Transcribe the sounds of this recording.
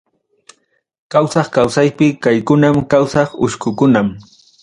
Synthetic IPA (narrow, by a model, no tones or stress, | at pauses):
kawsɑχkawsajpɪkajkʊnamkawsɑχʊ̰ʃkʊkʊnam